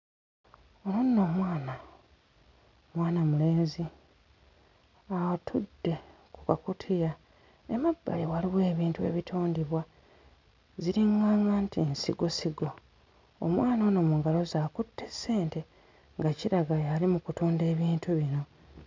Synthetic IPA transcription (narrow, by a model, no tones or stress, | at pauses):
ononːo̞ːmwaːna | mwaːnamule̞ːzi | awatʰudːe̞ | kukakutʰija | emabːa̰jewaliβwe̞ːβiːntue̞̰βitʰoːndiβwa | ziɾiŋɡaːŋɡantiensḭɡo̞siɡo̞ | o̰mwaːnono̞muŋɡalo̞zaːkutʰːe̞sːe̞ːnte̞ | ŋɡaciɾaɡajalimukutuːnde̞ːβiːntuβino̞